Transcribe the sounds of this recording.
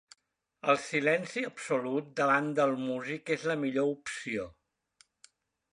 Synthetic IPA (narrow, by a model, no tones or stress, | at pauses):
əlˠsilɛnsiəpsulut̪̚d̪əβand̪əlˠmuzikezləmiʎoupsio